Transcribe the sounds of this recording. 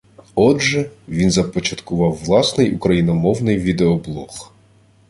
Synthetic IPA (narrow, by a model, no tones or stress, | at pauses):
ɔdʒɛʋʲinzɐpɔt͡ʃɐt̪kʊʋɑwːlˠɑsnɪjukɾɐjinɔmɔwnɪjʋʲid̪eɔblˠɔx